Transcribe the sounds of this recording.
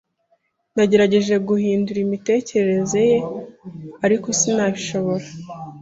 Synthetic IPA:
naɟe̞ɾaɟe̞ʒe̞ɡuhiːnduɾimite̞ːceɾeɾe̞ze̞je̞ | aɾiko̞sinaːβiʃo̞βo̞ɾa

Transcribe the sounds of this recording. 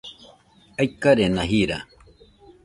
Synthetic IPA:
ajkaɾenaɦiɾa

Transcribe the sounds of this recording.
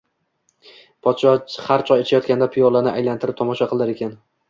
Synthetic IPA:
pʰɒt̪ʃɒhaɾt͡ʃʰɒjet͡ʃʰajɒt̪̚kʲand̪apʰɪjɒɾlˠanɪʔajlant̪ʰɪɾɪp̚t̪ʰɒmɒʃaqɨlˠaɾe̞kʲʰan

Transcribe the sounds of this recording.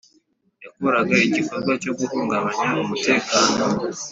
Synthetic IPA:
jakoɾaɡaiɟiko̞ɾɡwaco̞ɡuhuːŋɡaβaɲaumute̞ːkaːno̞

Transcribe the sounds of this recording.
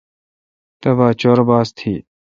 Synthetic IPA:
t̪ɐbaːt͡ɕoːɾbaːst̪ʰiː

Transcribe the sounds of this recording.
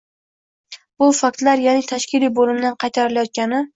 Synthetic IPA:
b̥ʊfak̚t̪laɾjanɪt̪ʰaʃkʲʰɪlijbolɪmd̪anqʰɑjt̪ʰaɾɪlajɒt̪̚kʲanɪ

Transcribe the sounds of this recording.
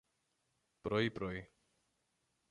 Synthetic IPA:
pɾoipɾoi

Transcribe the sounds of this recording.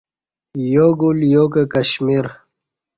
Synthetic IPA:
joːɡuljoːkəkɐɕmiɾ

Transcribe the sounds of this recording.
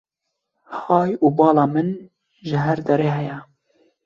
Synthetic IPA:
hɑːjuːbɑːlɑːmɨn | ʒɪɦɛɾd̪ɛɾeːɦɛjɛ

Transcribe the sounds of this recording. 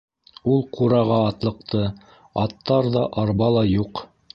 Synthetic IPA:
ulˠqʰuɾɑʁɑːt̪lˠɤ̆qt̪ʰɤ | ɑt̪ːɑɾðɑʔɑɾβɑlˠɑjuq

